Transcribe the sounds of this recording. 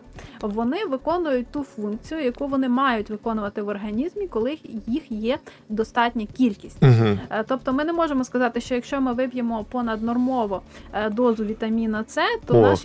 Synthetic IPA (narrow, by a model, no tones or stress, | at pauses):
ʋɔnɪʋɪkɔnʊjʊt̚ʲt̪ufunk̚t͡sʲijʊjɐkuʋɔnɪmɑjʊtʲʋɪkɔnʊʋɐt̪ɪʋɔrɦɐnʲizmʲikɔlˠɪjixjɛ | d̪ɔst̪ɑtʲnʲɐkʲilʲkʲisʲtʲɦt̪ɔp̚t̪ɔmɪnɛmɔʒemɔskɐzɑt̪ɪʃt͡ʃɔjɐkʃt͡ʃɔmɪʋɪbʲjemɔpɔnɐd̪nɔrmɔʋɔd̪ɔzʊʋʲit̪ɐmʲinɐt̪sɛt̪ɔ